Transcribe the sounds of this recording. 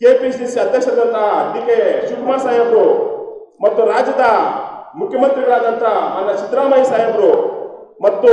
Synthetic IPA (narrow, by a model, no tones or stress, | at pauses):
keːpisd͡ʒinsiɐd̪ːeːkʃɐd̪ɐnt̪ɐid̪ikeʃukmaːsaːjɐmɾu | mɐt̪ːuɾaːd͡ʒɐd̪ɐmukʰjɐmɐnt̪ɾiɡɐɭaːd̪ɐnt̪ɐmɐnːɐt͡ʃit̪ɾaːmɐjsaːjɐmɾumɐt̪ːu